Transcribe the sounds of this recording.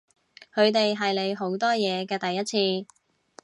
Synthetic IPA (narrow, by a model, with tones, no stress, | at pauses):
kʰɵ˨˧ɥt̪e˨jɦɐ˨jle˨˧jɦo˨˥wt̪ɔː˥jɛː˨˧kɛː˧t̪ɐ˨jːɐ˥t̚t͡sʰiː˧